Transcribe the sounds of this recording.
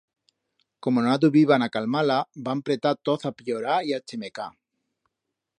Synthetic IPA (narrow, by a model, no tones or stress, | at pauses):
komonoaðuβiβanakalmalabampɾet̪at̪oθapjoɾaiat͡ʃemeka